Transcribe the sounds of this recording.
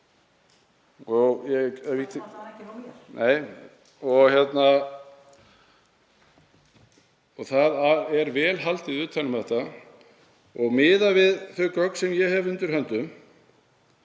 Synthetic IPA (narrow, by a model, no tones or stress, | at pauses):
ɔjɛɛvit̪ː | neːj | ɔɣçjɛt̪na | ɔɣθaðaɛɾvɛːlɦal̥t̪ɪðʏːt̪ʰːalʏmθɛht̪a | ɔɣmɪːðavɪðθœɥkœkn̥sɛmjɛhɛvʏnt̪ʏɾhœnt̪ʏm